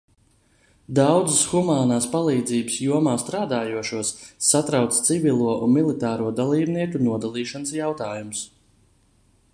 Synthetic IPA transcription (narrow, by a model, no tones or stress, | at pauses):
d̪awd̪zɨsxumaːnaːspalˠiːd̪ziːbɨsjuɔmaːst̪ɾaːd̪aːjuɔʃuɔsːat̪ɾawt̪st̪sivilˠuɔʔunmilˠit̪aːɾuɔd̪alˠiːbniɛkunuɔd̪alˠiːʃanəsjawt̪aːjums